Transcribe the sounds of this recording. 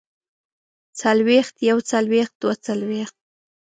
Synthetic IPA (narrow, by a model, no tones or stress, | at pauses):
t͡salwext̪jawt͡salwext̪̚d̪̥wat͡salwext̪̚